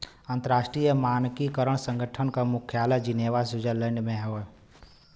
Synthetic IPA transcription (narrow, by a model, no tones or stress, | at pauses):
ə̃nt̪əɾaːʃʈɾijəmaːnkikəɾəɳ̃sə̃ŋɡʱəʈʰənkamʊkʰjaːləd͡ʒɪneːʋasʊd͡ʒələ̃ɳɖmẽɦo